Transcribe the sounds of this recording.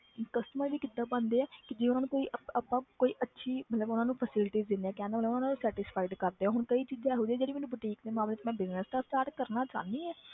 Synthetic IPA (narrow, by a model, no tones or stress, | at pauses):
kəsʈəməɾʋiːkɪd̪ːãːbənd̪eːɛːkɪd͡ʒeːʊnaːnũːkoːiːʔəəpːãːkoːiːʔətːʃʰiːmət̪ləbʊnãːnũːpʰəsɪlɪʈiːzd̪ɪneãːkɛ̃ːnd̪aːətlːʊnaːnãːnũːsɛːʈɪspʰaːɪɖkəɾd̪eːɛ̃ːɦʊɽkəiːt͡ʃiːzɛɦoːd͡ʒeɛːd͡ʒeːɽiːmeːnũːbəʈiːkd̪eːmaːmleːtmɛ̃ːbɪznəst̪ãsʈaːɾʈkəɾnaːt͡ʃã̰ːnd̪iːɛː